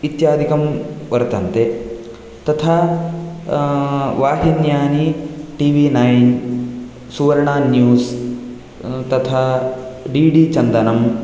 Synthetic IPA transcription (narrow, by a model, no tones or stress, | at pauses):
it̪jaːd̪ʱikɐmʋɐɾt̪ɐnt̪e | t̪ɐt̪ʰa | ʋaːɦinjaːniʈiːʋiːnɐjn | suʋɐɾɳaːnjuːs | t̪ɐt̪ʰaɖiːɖit͡ʃɐnd̪ɐnɐm